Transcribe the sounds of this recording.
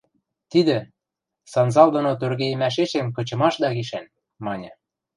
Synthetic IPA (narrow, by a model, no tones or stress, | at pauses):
t̪id̪ɘ̆ | sɑnzɑld̪ŏnot̪̬ørɣej̆mæʃ̬eʃemkɤ̆t͡ɕɤ̆mɑʃd̪ɑɣiʃæn | mɑnʲɤ̆